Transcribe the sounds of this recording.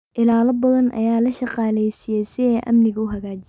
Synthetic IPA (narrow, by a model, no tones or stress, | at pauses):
ʔɪlaːlɐbɐðɐnʔɐ̰jaːlɐʃɑqɑːlɛjsɪjɛjsɪɛːʔɐ̰mnɪɣɐʊɦɐɣaːt͡ʃɪ